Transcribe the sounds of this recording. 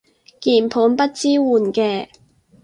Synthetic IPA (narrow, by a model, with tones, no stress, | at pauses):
kiː˨˩npʰuː˨˥npɐ˥t̚t͡siː˥wuː˨˩nkɛː˧